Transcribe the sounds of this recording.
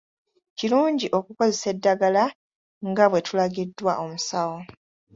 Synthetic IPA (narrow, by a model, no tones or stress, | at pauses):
ciluːɲɟiʔo̞kuko̞ze̞se̞dːaɡala | ŋɡaβwe̞tʰulaɡidːwaʔo̞musawo̞